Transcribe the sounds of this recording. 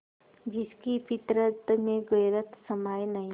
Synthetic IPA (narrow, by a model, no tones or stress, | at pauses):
d͡ʒɪskipɪt̪ɾət̪mẽɡəjɾət̪səmaːjnɐɦĩ